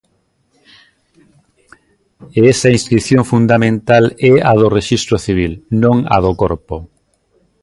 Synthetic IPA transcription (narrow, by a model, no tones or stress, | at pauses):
eɛsainskɾiθjõŋfund̪amẽnt̪alɛaðoreʃist̪ɾʊθiβ̞ilnõŋa̰ðokoɾpo